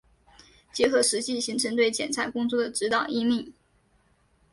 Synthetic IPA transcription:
t͡ɕjɛ˧˥xɤ˧˥ʂɻ̩˧˥t͡ɕi˥˩ɕi˧˥ŋʈ͡ʂʰɤ˧˥ŋt̪we˥˩ɪt͡ɕjɛ̰˨˩nt͡sʰa˧˥ɪkʊ˥ŋt͡swɔ˥˩d̪ə˩ʈ͡ʂɻ̩˧˥t̪ɑ˨˩ʊi˥mi˥˩

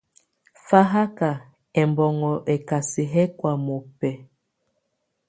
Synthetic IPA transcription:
fa˦ɦa˦ka˨ | ɛ˨mbɔ˨ŋɔ˨ʔɛ˨ka˨si˨ɦɛ˦kwa˨mo˨pɛ˨

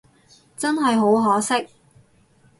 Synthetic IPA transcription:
t͡sɐ˥nɦɐ˨jɦo˨˥wɦɔː˨˥sɪ˥k̚

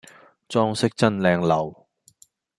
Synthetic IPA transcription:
t͡sɔː˥ŋsɪ˥k̚t͡sɐ˥nlɛː˧ŋlɐ˨˩w

